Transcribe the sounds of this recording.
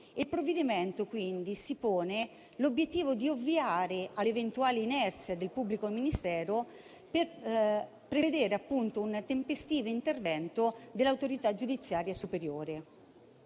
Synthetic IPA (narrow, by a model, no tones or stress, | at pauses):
ilpɾovːed̪iment̪okwind̪isipoːne | lobjet̪ːiːvod̪iovːiaːɾealevent̪uaːleinɛrt̪sjad̪elpubːlikominist̪ɛːɾo | per | pɾeved̪eːɾeapːunt̪ount̪empest̪iːvoint̪ervɛnt̪od̪elːawt̪oɾit̪ad͡ʒud̪it̪sːjaːɾjasupeɾjoːɾe